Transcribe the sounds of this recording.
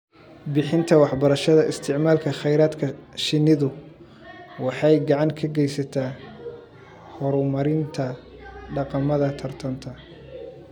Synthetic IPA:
bɪħɪnt̪ʰɐwɑħbɐɾɐʃɐðɐʔɪst̪ʰɪʕmaːlkʰɐχɛjɾaːd̪kʰɐʃɪnːɪðʊ | wɑħɑjɡɑʕɑŋkʰɐɡɛjsɐt̪ʰaː | hɔɾʊmɐɾɪnt̪ʰɐ | ɖɑqɑmɐðɐt̪ʰɐrt̪ʰɐnt̪ʰɐ

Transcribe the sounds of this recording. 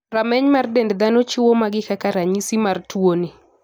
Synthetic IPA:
ramɛɲmardɛndd̪anot͡ʃʊwomaɡɪkakaɾaɲisimartwoni

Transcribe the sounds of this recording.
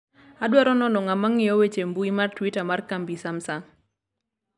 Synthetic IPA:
adwaɾɔnɔnɔŋamaŋɪjɔwet͡ʃembuimartwitamarkambisamsaŋ

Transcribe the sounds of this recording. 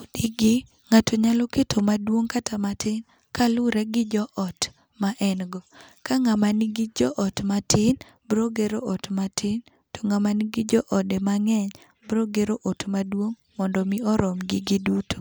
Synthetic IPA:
odiɡɪ | ŋatʰoɲalɔketʰomadwoŋkatʰamatʰɪn | kalʊɾɛɡɪd͡ʒɔʔɔt | maʔɛnɡɔkaŋamanɪɡɪd͡ʒɔʔɔtmatʰɪn | bɾoɡeɾoʔɔtmatɪn | to̥ŋamaniɡɪd͡ʒɔʔɔdɛmaŋɛɲ | bɾoɡeɾoʔɔtmadwoŋ | mɔndɔmiɔɾɔmɡɪɡɪduto̥

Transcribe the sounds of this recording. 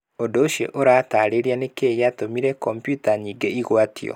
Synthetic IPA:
odoʃḛʔoɾataɾeɾianekeːjatomiɾɛkɔmpjutaɲiːɡeiɣwatḭɔ̰

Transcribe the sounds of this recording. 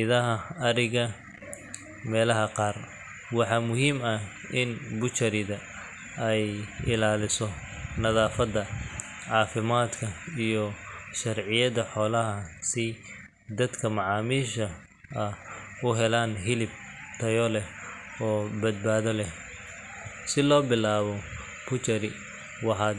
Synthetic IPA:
ɪðɐɦɐɐɾɪɣɐ | mɛːlɐɦɐqɑːr | wɑħɑːmʊɦiːmɐ | ʔɪnbʊt͡ʃɐɾɪðɐ | ɛjɪlaːlɪsɔ | nɐðaːfɐd̪ɐ | ʕɑːfɪmaːd̪kʰɐijɔʃɐrʕɪjɐðɐħɔːlɐɦɐsɪ | d̪ɐd̪kʰɐmɑʕɑːmiːʃɐ | ɐʊɦɛlaːnɦɪlɪb̚t̪ʰɐjɔlɛɔːbɐd̪̚baːðɐlɛh | sɪlɔːbɪlaːβɔ | b̥ʊt͡ʃɐɾɪ | wɑħɑː

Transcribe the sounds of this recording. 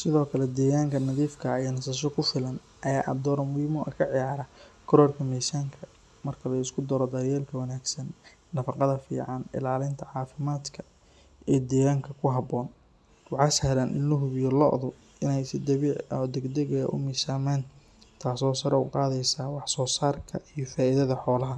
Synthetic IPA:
sɪðɔːkʰɐlɛd̪ɛːɣaːŋkʰɐnɐðiːfkʰɐnɐsɐʃ̬ɔkʰʊfɪlɐn | ʔɐjaːʔɐ̰d̪ɔːɾɐmʊiːmɔʔɐkʰɐʕɪjaːɾɐkʰɔɾɔːrkʰɐmɛjsaːŋkʰɐ | mɐrkʰɐlɐɪskʰʊd̪ɐɾɔd̪ɐɾjɛːlkʰɐwɐnaːɡsɐnː | ɐfɑqɑðɐfḭːʕɑnɪ̰laːlɪnt̪ʰɐʕɑːfɪmaːd̪kʰɐ | ʔiːd̪ɛːɣaːŋkʰɐkʰʊɦɐbɔːn | wɑħɑːshɐɾanʔɪnlʊɦʊβɪjɔlɔ̰ʔðʊ | ɪnɛjsɪd̪ɐβiʕɔd̪ɛɡd̪ɛɣɐɐ̰ʔʊ̰miːsaːmaːn | t̪ʰaːsɔːsɐɾɛṵqɑːðɛjsaːwɑħsɔːsaːrkʰɐʔijɔfaːʔɪðɐðɐħɔːlɐɦɐ

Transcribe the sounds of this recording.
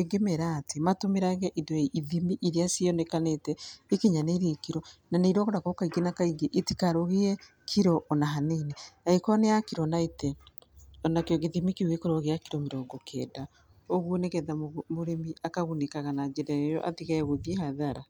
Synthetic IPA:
eɡemɛɾatematomeɾaɣɛʔidɔeʔiðimiʔiɾeasiɔnekanetɛikeɲaneɾekiɾɔnaneiɾɔɣoɾakɔkaiɡenakaiɡeʔeti̥kaɾoɣeɛ | kʰiɾɔʔɔnaɦaneneaikwɔneakiɾɔnaitɛ | ɔnakeɔɣeðimikeuɣekoɾɔɣeakiɾɔmeɾɔːŋɡɔkʰɛ̰da | oɣwoneɣɛðamoɾemiakaɣunekaɣanad͡ʒedajɔʔa̰ðiɣaɛɣoðiehaðaɾa

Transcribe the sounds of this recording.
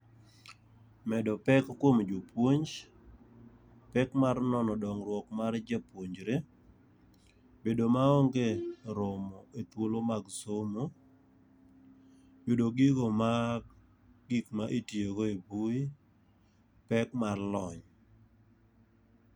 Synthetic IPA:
mɛdɔpɛkːwomd͡ʒopwoɲd͡ʒ | pɛkmarnɔnɔdɔŋɾwɔkmard͡ʒapwoɲd͡ʒɾe | bedomaoŋɡeɾomɔet̪wolomaɡsomo | bedoɡiɡoma | ɡikmaʔitjeɡoebui | pɛkmarlɔɲ

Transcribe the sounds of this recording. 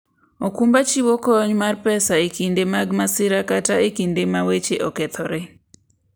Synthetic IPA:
okumbat͡ʃiwokɔɲmarpɛsaekindemaɡmasɪɾakataekindemawet͡ʃeʔɔkɛt̪ʰɔɾe

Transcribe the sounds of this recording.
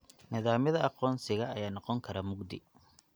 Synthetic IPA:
nɪðaːmjɐðɐʔɑqɔːnsɪɣɐʔːjaːnɑqɔŋkʰɐɾaːmʊɡd̪ɪ̰

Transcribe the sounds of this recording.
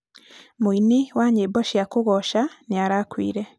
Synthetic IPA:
muiniwaːɲebɔʃijakuɣɔʃaniaɾaːkwḭːɾɛ

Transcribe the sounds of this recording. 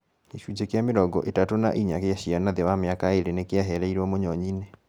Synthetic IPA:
iʃud͡ʑekjameɾɔɡɔʔetatona̰ʔiɲakeaɕianaðewameakaeɾenekeaɦɛɾɛiɾɔmoɲɔɲine

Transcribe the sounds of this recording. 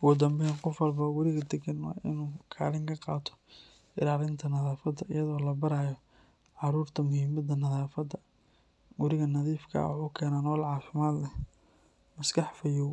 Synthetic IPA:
wɔːd̪ɐmbɛɛŋqɔfɐlbɐwɐɾɪɣɐd̪ɛɡɐnwɑ̰ːɪ̰nuːkʰaːlɪŋkʰɐqɑːt̪ʰɔ̥ | ɪɾaːɾɪnt̪ʰɐnɐðaːfɐd̪ɐʔɪjɐðɔːlɐbɐɾaːjɔ | ʕɑɾuːrt̪ʰɐmʊhimɐd̪ɐnɐðaːfɐd̪ɐ | wɐɾɪɣɐnɐðiːfkʰɐ̰wħuːkʰɛːnaːnɔːlʕɑːfɪmaːd̪lɛ | mɐskʰɑħfɐjuw

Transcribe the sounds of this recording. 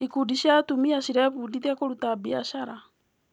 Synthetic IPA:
ikuːdiɕjatumiaɕiɾaβudiðiakoɾutabiaʃaɾa

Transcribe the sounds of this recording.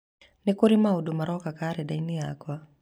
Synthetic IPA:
nikuɾimaudumaɾɔkakaɾɛɗainiakwa

